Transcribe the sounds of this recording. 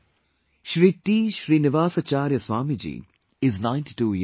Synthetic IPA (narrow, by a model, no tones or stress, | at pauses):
ʃɾiːʈiːʃɾiːnɪʋaːsat͡ʃaːɾjəswaːmid͡ʒḭː | ɪznãɪ̃nʈi̥ʈuːj